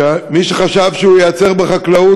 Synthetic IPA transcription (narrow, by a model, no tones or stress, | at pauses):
amiʃeχaʃavʃeujat͡se̞ʁbeχaklau